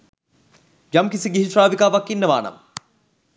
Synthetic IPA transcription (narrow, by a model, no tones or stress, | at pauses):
d͡ʒɐmkisiɡiɦiʂɾaːʋikaːʋakːinːəʋa̰ːnɐ̰m